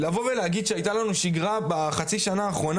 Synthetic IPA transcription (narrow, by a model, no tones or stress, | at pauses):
lavo̞velehaɡid̪ʃeajt̪alanuʃiɡʁabaχat͡siʃanaːχʁo̞na